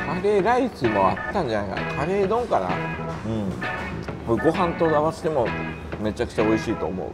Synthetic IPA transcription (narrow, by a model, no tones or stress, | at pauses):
kʰaɾe̞ɾaisɨmo̞at̪ːãɲ̟d͡ʑanaika̰nkʰaɾe̞ːd̪õ̞ŋkana̰ɯ̟̃ɴ | koiɡo̞ɦãnt̪o̞d̪aβase̥t̪emo̞ | me̞t͡ɕakɯ̟̥t͡ɕao̞iɕiːt̪o̞ːmo̞̰ɯ̰